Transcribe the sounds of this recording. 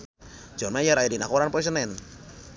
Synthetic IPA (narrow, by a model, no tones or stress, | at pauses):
d͡ʒɔmaijaɾajadinakɔɾanpɔs̬ənɛn